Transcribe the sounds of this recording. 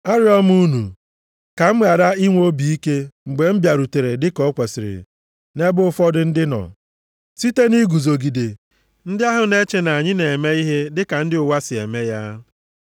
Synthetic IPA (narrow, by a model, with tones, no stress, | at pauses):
a˦ɾjɔ˦m˦u˦nu˨ | ka˨m̩˦ɣa˨ɾa˦i˦ŋʷ˦o˦bi˨i˦ke˦ŋ͡m̩˨ɡ͡be˨m̩˦bja˨ɾu˨te˨ɾe˨dɪ˦kɔ˨˦kʷe˨sɪ˨ɾɪ̰˨ | ne˦bʊ˦ʊ˦fɔ˦dʊ˦n̩˦dɪ˦nɔ̰˨ | si˦te˦ni˦ɡu˨zo˨ɡi˨de˨ | n̩˦dɪ˦a˦ɦʊ˨ne˦t͡ʃe˦na˨a˨ɲɪ˦ne˨me˦i˦ɦe˦dɪ˦ka˨n̩˦dɪ˦ʊ˨wa˦sɪ˨ḛ˨me˦ja˦